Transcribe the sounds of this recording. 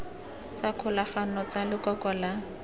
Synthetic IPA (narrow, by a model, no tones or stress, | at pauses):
t͡sakʰʊlaχanɔt͡salɪkɔkɔla